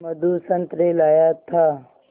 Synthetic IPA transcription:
mɐd̪usɐnt̪ɾelaːjat̪ʰaː

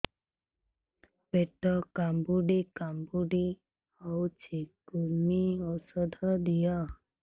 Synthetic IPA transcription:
peʈɔkambuɖikambuɖi | ɔwt͡ʃʰikuɾmiɔsɔd̪ʱɔd̪ijɔ

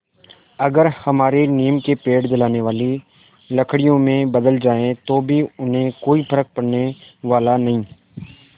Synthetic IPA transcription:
ɐɡəɾhɐmaːɾeniːmkepeːʈd̪ɪlaːneʋaːli | lɐkʰɽijõmẽbɐd̪əld͡ʒaːẽt̪obʱiʊnɦẽkoːipʰɐɾək̚pɐɽneʋaːlanɐɦĩː

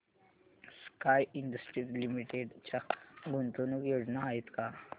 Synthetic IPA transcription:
skajiɳɖəsʈɾit̪limiʈeɖt͡ɕaɡunt̪onukjod͡ʑnaait̪ka

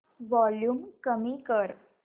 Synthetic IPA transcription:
ʋɔljuːmkəmiːkəɾ

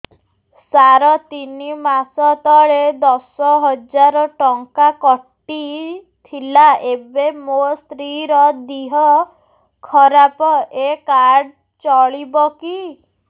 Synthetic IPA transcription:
saɾɔt̪inimasɔt̪ɔɭed̪ɔsɔɦɔd͡ʒaɾɔʈɔŋkakɔʈːi | t̪ʰilaʔebemost̪ɾiɾɔd̪iɦɔ | kʰɔɾapɔʔekaɾɖ | t͡ʃɔɭibɔki

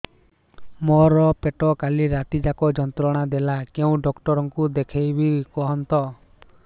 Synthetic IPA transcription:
mɔɾɔpeʈɔkaliɾat̪id͡ʒakɔd͡ʒɔnt̪ɾɔɽ̃ad̪elakeũɖɔkʈɔɾɔŋkud̪ekʰejbʱikɔɦɔnt̪ɔ

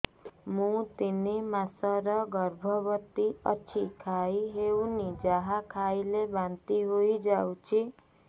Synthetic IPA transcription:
mũt̪inimasɔɾɔɡɔɾbʱɔbɔt̪iɔ̰t͡ʃʰikʰaiɦeunid͡ʒaɦakʰailebant̪iɦoid͡ʒaw̃t͡ʃʰi

